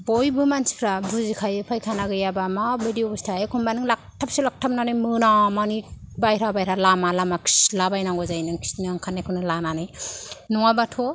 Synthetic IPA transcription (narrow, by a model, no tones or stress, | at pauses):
bɔjbɯmansi̥pʰɾabuzikʰajɯpʰajkʰanaɡɯjabamabidiobustʰajekʰunbanɯŋlak̚tʰap̚sɯlak̚tʰap̚nanɯjmɯnamanibajɾabajɾalamalamakʰslabajnaŋɡɔzajnɯŋkʰi̥snɯŋkʰanːakʰɯnɯlananɯjnɔŋabatʰɔ